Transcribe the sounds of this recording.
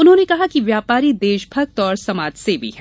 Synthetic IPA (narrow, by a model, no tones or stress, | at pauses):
ʊnɦõːnekɐɦakiʋjaːpaːɾid̪eːʃbʱɐk̚t̪ɔːɾsɐmaːd͡ʒsebʱḭɦɛː